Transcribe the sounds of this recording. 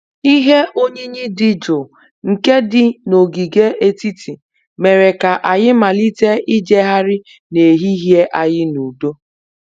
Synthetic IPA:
i˦ɦe˦ʔo˦ɲe˦ɲi˦dɪ˦d͡ʒo˨ | ŋ̩˨ke˦dɪ˨no˨ɡi˨ɡe˦ʔe˦ti˦tʰi˨ | me˨ɾe˨ka˨ʔa˨jɪ˦ma˨li˦te˦i˦d͡ʒe˦ɦa˦ɾɪ˦ | ne˨ɦi˦ɦje˦ʔa˦jɪ˦nu˨do˦

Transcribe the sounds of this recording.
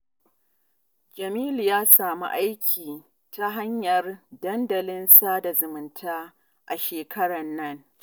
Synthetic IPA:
d͡ʒɐ˨miː˦ljaː˦saː˨mṵ˦ʔa˦jkʲʰiː˨ | ta˦ɦa˦ɲjɐ˨rdɐ˦ndɐ˨lɪ˦nsaː˦da˨zʊ˨mɪ˨ntʰaː˦ | ʔa˨ʃeː˨kʰɐ˦ɽɐ˨nːɐ˦ŋ

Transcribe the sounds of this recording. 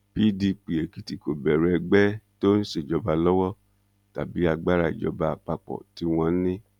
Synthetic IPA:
b̥i˨˦di˧k͡pi˨e˨ki˨ti˨ko˨bɛ˨ɾɛ˧ɡ͡bɛ˦to˦n̩˦ʃe˨d͡ʒɔ˧ba˧lɔ˦wɔ˦ | ta˨bi˨˦a˧ɡ͡ba˦ɾa˧˨d͡ʒɔ̰˧ba˧k͡pa˧k͡pɔ̰˨ti˨˦w̃ɔ̃˧˦nĩ˦

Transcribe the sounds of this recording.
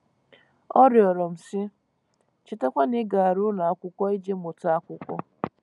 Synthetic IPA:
ɔ˦ɾjɔ˨ɾɔ˨m̩˨sɪ˦ | t͡ʃɪ˦te˦kʷa˦nɪ˦ɡa˨a˨ɾʊ˦na˨a˦kʷʊ˦kʷɔ˦i˦d͡ʒe˦mʊ˨ta˦a˦kʷʊ˦kʷɔ˦

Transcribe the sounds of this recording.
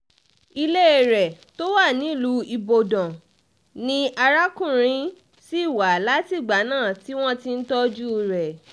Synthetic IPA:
i˧le˦˨ɾɛ˨to˦wa˦˨nĩ˨˦˨lu˨˦i˧bo˨dɔ̃˨ | nĩ˦a˧ɾa˦kũ˦˨ɾ̃ĩ˧˦ | si˦i˦˨wa˨la˦ti˦˨ɡ͡ba˨˦nãː˦˨ti˦w̃ɔ̃˦ti˧n̩˦tɔ˦d͡ʒu˦˧ɾɛ˨

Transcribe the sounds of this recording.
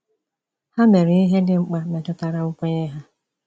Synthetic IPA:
ha˦me˨ɾɪ˨i˦ɦe˦dɪ˦ŋ͡m̩˦k͡pa˦me˨tʊ˦ta˨ɾa˨ʊ˦kʷe˦ɲe˦ɦa˦

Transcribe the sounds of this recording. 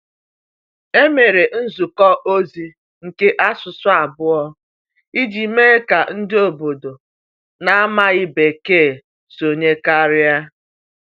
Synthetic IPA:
e˦me˨ɾe˨n̩˦zu˨kɔ˦ʔo˦zi˦ | ŋ̩˨ke˦ʔa˦sʊ˨sʊ˦a˨bʊ˦ɔ˦ | i˦d͡ʒi˨me˦ka˨n̩˦dɪ˦o˨bo˨do˨ | na˦a˦ma˦ɣɪ˦be˨keː˦˨ | so˨ɲe˦ka˦ɾɪ˦a˦

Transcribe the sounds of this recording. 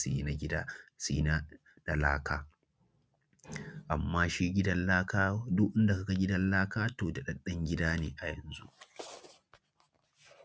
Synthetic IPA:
si˦na˨ɡʲɪ˦daː˦si˦na˦ | da˨la̰ː˦kʰaː˦ | ʔa˨mːaː˦ʃi˦ɡʲɪ˦dɐ˦nlaː˦kaː˦dʊ˦ʔʔɪ˦nda˨ka˨˦kɐ˦ɡʲɪ˦dɐ˦nlaː˦kaː˦toː˨da˨ɗɐ˦ɗɐ˦ŋɡʲɪ˦daː˦nḛː˨ʔa˨jɐ̰˨nzṵ˦ʔ

